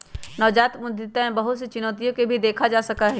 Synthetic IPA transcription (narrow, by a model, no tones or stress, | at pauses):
nɐːʋd͡ʒaːt̪mʊd̪ʱɪt̪aẽbɐɦʊt̪set͡ʃʊnət̪ijõkebʱid̪eːkʰad͡ʒaːsɐkaɦɛ